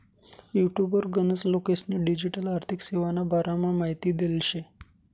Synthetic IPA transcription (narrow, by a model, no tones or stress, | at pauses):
juʈjubəɾɡənəslokesniɖid͡ʑiʈəlaɾt̪ʰikseʋanabaɾamamaɦit̪iːd̪elɕe